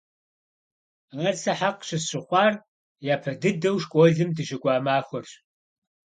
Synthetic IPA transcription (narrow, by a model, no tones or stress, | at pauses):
ʁɐrsɐħaqɕɪɕʼɪχʷɑːr | jaːpʰɐdɨdɐwʃkʷʼɔɮɨmdɨʃɪkʷʼɑːmaːxʷɔrɕ